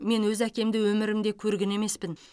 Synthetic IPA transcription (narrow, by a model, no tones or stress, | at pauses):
me̞nwɵzækʲe̞md̪ɪwɵmɪɾɪmd̪e̞kʲʰɵɾɡʲɪne̞me̞spɪn